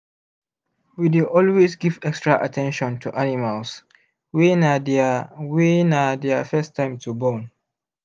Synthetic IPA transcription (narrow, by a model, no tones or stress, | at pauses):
wideʔɔlwesɡivɛkstɹaʔa̰tʰɛ̃nʃɔ̃ntʰuʔanimals | winadwinadɛafɛstʰːãɪ̃mtʰubɔ̃n